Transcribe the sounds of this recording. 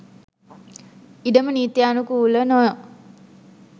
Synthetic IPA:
iɖəməniːt̪jaːnukuːlənojə

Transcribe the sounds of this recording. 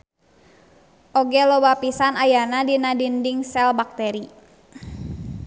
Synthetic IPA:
ʔoɡɛlobapisanajanadinadindiŋsɛlbak̚t̪ɛɾi

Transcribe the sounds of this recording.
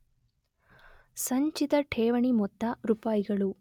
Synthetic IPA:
sɐɲt͡ʃit̪ɐʈʰeːʋɐɳimɔt̪ːɐɾupaːjiɡɐɭu

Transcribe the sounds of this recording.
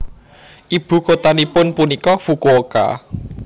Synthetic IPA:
ʔib̥ṳkot̪anipʊnpunikɔfukooka̰

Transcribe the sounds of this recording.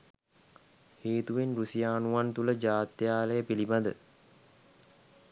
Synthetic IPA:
heːt̪uʋenrusijaːnuʋant̪uləd͡ʒaːt̪jaːləjəpiliband̪ə

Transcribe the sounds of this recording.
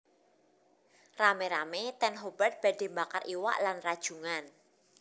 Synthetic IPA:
rameɾamet̪ɛnɦobərt̪̚b̥a̤d̥e̤mbakarʔiwa̰ʔlanrad̥ʒ̥uŋan

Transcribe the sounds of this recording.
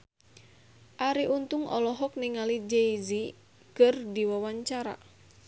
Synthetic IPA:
ʔaɾiʔunt̪uŋɔ̰lɔɦɔk̚niŋalid͡ʒeizi | kərdiwawaɲt͡ʃaɾa̰

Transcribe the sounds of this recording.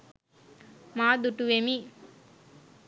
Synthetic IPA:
maːd̪uʈuʋemiː

